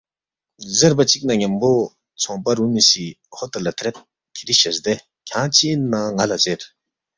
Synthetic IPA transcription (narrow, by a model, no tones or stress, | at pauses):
zepat͡ɕik̚naɲampo | t͡sʰɔŋpaɾumiɕi | hot̪əlːat̪ʰɾɛp̪̚ | kʰeɾiɕəsd̪e | cʰaŋt͡ɕʰinaŋalazer